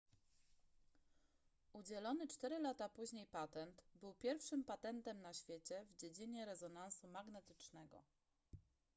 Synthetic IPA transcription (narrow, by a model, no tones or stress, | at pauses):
ud͡ʑɛlɔnɘt͡ʂt̪ɛɾɘlat̪apuʑɲejpat̪ɛnt̪bɘwpʲjɛɾfʂɘmpat̪ɛnt̪ɛmnaɕfʲjet͡ɕɛvd͡ʑed͡ʑiɲɛɾɛzɔnansumaɡnɛt̪ɘ̥t͡ʂnɛɡɔ̰